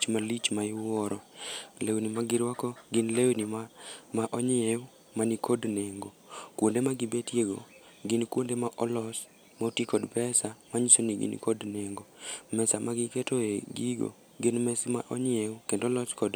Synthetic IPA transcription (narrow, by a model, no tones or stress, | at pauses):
t͡ʃmalit͡ʃmaɪwɔɾɔlewnimaɡɪɾwɔkɔɡɪnlewnimaʔɔɲeu | manikʰodneŋɡokwondemaɡibetjeɡo̰ | ɡɪnkwondemaʔɔlɔs | mautikɔdpɛsamaɲisoniɡḭnkodneŋɡomɛsamaɡɪketoeɡiɡo̰ | ɡɪnmɛsmaʔɔɲewukendolɔskɔd